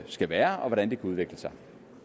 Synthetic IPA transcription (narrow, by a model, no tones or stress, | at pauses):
sɡ̥æʋæːɐɒ̽ʋɒɾænd̥e̝kʰæuð̞ˠʋeɡ̥ləsɑ̈ɪ